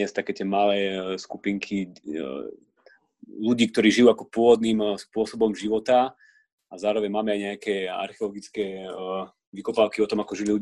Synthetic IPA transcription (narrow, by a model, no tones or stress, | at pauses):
ɛst̪akɛːt̪ɪɛmalɛːskupiŋkʰi | luɟiːk̚t̪ɔɾiːʒijuakɔpʊɔʋɔd̪niːmspʊɔsɔbɔmʒiʋɔt̪a | azaːɾɔʋɛɲmaːmɛajɲɛakɛa̰ɾxɛɔlɔɡit͡skɛ | ʋikɔpaːʊkiɔt̪ɔmakɔʒililu